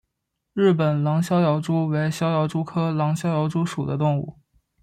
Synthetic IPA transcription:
ɻɻ̩˥˩p̬ə˨˩nlɑ˧˥ŋɕjɑ˥ʊjɑ˧˥ʊʈ͡ʂu˥we˧˥ɪɕjɑ˥ʊjɑ˧˥ʊʈ͡ʂu˥kʰɤ˥lɑ˧˥ŋɕjɑ˥jɑ˧˥ʊʈ͡ʂu˥ʂu˨˩d̪ə˦t̪ʊ˥˧ŋṵ˥˩

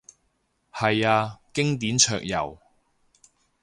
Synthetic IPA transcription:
hɐ˨jaː˧kɪ˥ŋt̪̬iː˨˥nt͡ʃʰœː˧k̚jɐ̰˨˩w

